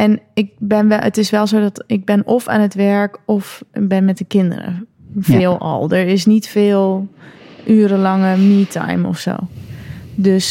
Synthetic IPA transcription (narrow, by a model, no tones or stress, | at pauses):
ɛnɪk̚bɛnʋɛə̰tɪsʋɛlˠzoːdɔtɪk̚bɛnʔɔfa̰ːnətʋɛɹkɔfbɪnmɛt̚dəkɪndə̰rə̰ | fɪːlˠɔ̰lˠdəɹɪsnitfɪːlˠ | ʔyːɾəlɑŋəmiːtʰa̰jmɔ̰fso̰ː | døs